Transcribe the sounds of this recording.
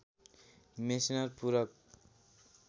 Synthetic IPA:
mesinʌrpuɾʌk̚

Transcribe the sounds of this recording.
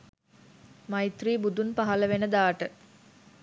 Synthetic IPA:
majit̪riːbud̪unpaɦɐləʋenəd̪aːʈə

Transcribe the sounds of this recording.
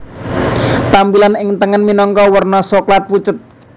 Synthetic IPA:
t̪ampilanɪŋt̪əŋənminɔŋkɔwərnɔsɔklat̪̚put͡ʃət̪̚

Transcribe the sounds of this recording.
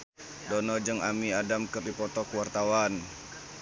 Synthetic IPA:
dɔnɔd͡ʒəŋamiadamkərdipɔt̪ɔkuwart̪awan

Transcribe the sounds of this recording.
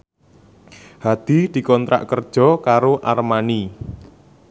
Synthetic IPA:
had̪̥i̤d̪̥i̤kɔnt̪ɾa̰ʔkərd̥ʒ̥ɔ̤kaɾoʔarmani

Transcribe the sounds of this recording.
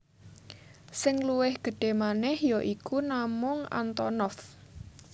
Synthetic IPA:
sɪŋluwɪhɡ̥ə̤ɖ̥e̤manɛhjoʔikunamʊŋa̰nt̪ɔnɔf

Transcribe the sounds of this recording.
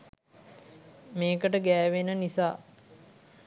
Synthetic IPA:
meːkəʈəɡæːʋenənisaː

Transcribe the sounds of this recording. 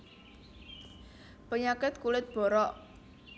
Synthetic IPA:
pəɲakɪt̪̚kulɪt̪̚b̥ɔ̤ɾɔʔ

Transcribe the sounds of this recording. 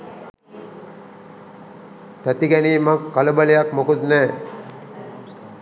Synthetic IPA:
t̪æt̪iɡæniːmakːaləbəlejakmokud̪nɛː

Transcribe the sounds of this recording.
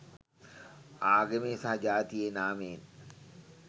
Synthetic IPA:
aːɡemeːsɐɦɐd͡ʒaːt̪ienaːmeːn

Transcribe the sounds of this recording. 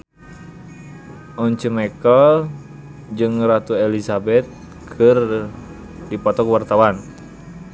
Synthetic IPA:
ʔɔɲt͡ʃəmɛkəl | d͡ʒɨŋrat̪uelisabɛt̪̚ | kʰɨr | dipɔt̪ɔkwart̪awan

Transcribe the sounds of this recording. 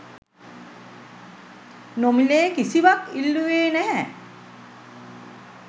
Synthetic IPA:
nomileːkisiʋakilːueːnæɦɛ

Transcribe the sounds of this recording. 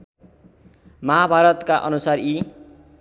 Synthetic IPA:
mʌɦabʱaɾʌt̪kaʔʌnusari

